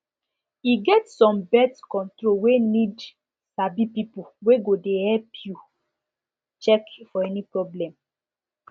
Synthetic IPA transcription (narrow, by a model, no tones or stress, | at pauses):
iɡɛtsɔ̃mbɛtkɔ̃ntɹowenid | sabipipuweɡodehɛlpʰju | t͡ʃɛkfɔɛnipɹɔblɛ̃m